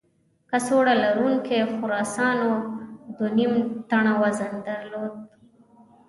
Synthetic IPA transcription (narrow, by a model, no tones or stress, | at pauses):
kasoɽalaɾuŋkexʊɾɑsɑnod̪wonimt̪aɳawazand̪aɾlod̪̚